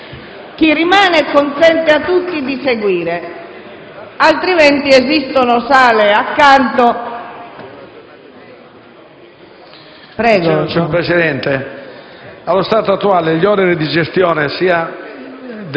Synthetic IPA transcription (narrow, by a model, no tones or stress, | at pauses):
k̟irimaːnɛkonsɛnt̪eat̪ːut̪ːid̪iseɡwiːɾe | alt̪ɾimɛnt̪iezist̪onɔsaːleakːant̪o | pɾɛːɡɔt͡ʃɔpɾet͡ʃɛd̪ɛnt̪e | alːost̪aːt̪oat̪ːuaːleʎɔːnɛɾid̪id͡ʒest̪jɔːnesiːa | d̪